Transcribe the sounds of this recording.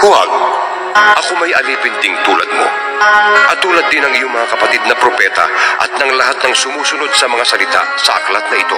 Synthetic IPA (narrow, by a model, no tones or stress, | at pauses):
kʊwa̰ɡ̚ | ʔɐkomɐjɐliːpɪnd̪ɪŋt̪uːlɐ̰d̪̚mo̞̰ | ʔɐt̪uːlɐt̪̚ːɪnɐŋɪjoŋmɐŋakɐpɐt̪id̪̚nɐpɾopɛt̪ɐ̰ʔɐ̰t̪̚nɐŋlɐɦat̪̚nɐŋsʊmuːsʊnod̪̚sɐmɐŋasɐlɪt̪a̰sɐʔɐklat̪̚nɐʔɪt̪o̞̰